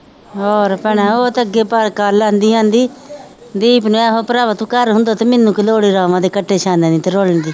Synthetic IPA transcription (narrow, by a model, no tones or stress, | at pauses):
ɔːɾpəɳɛ̃ːoːt̪əɡeːpəɾkaːlːãːnd̪iːãːnd̪iː | d̪iːpnũːɛːɦoːpɾaːbət̪ũːkəɾɦʊ̃nd̪aːt̪eːmɪnːũːkɪloːɽiːɾaːʋãːd̪eːkəʈʰːeːʃʰãːnd̪ɛ̃ːd̪iːt̪eːɾoləɳd̪iː